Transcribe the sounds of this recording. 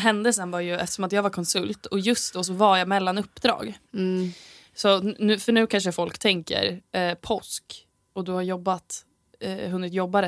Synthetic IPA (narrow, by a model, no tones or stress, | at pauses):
ɦɛnd̪əsɛnvaɾjɵɛft̪ə̥ʂɔmat̪jɑːɡvaɾkʰɔnsɵlt̪ɔjɵst̪̚d̪oːs̬ɔvaɾjamɛlːanɵpːd̪ɾɑ̰ːɡ | sɔnʉ̟ːfœɳʉ̟ːkʰanʂ̬əfɔlkt̪ʰɛŋkə̰ɾpʰɔsk | ɔd̪ɵhaɾjɔbːat̪ | ɦɵnːɪt̪jɔbːaɾɛ